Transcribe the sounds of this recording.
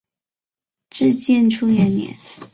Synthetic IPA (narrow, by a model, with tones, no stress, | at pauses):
ʈ͡ʂɻ̩˥˧t͡ɕjɛ˥˧nʈ͡ʂʰu˥jɛ˧˩nnjɛ̰˧˥˦n